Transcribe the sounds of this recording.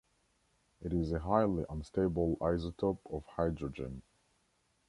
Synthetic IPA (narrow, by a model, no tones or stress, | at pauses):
ɪɾɪzɨɦaɪlˠiʔə̃nsteɪbl̩ˠaɪzətʰɔpɔv̥haɪdɹəd͡ʒɨ̰̃n